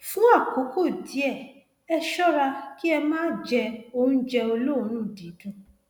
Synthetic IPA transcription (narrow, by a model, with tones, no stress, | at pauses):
fũ˦a˦˨ko˨˦ko˦˨di˨˦ɛ˦˨ | ɛ˧ʃɔ˦ɾa˧ki˦ɛ˧mãː˦d͡ʒɛ˧o˧nũ˦d͡ʒɛ˧o˧lo˦˨˦nũ˦˨dĩ˨˦dũ˦